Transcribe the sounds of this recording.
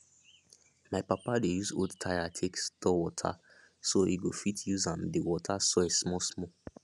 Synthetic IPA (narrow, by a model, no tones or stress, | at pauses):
maɪpapadejuzo̰dtʰaɪatʰekstɔwɔtʰa̰ | soiɡofitʰjuzãmdewɔtʰasoesmɔsmɔ